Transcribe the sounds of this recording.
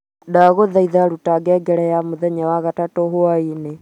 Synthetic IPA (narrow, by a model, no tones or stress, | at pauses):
daɣoðaiðaɾutaɡɛɡɛɾɛjamoðɛɲawaɣatatoɦoaine